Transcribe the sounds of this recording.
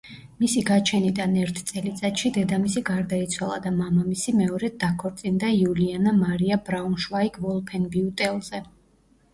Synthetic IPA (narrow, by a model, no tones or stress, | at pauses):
misiɡat͡ʃʰɛnid̪anɛɾt̪ʰt̪sʼɛlit̪sʼat̪ʃid̪ɛd̪amisiɡaɾd̪ait̪sʰwalˠa̰d̪amamamisimɛɔɾɛd̪akʰɔɾt̪sʼind̪aiulianamaɾiabɾaunʃwaikʰvɔlˠpʰɛnbiut̪ʼɛlˠzɛ